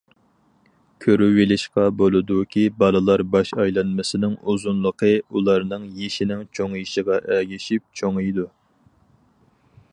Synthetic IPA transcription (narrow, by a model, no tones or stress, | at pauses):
kʲʰøɾywelɪʃqɑbolˠɨd̪ukʲʰibɑlˠɨlˠɑɾbɑʃɑjlˠɑnmɨsɪnɪŋuzunlˠəqʰəulˠɑɾnɨŋjeʃinɪŋt͡ʃʰoŋjiʃɪʁɑʔɛɡʲiʃip̚t͡ʃʰoŋjd̪u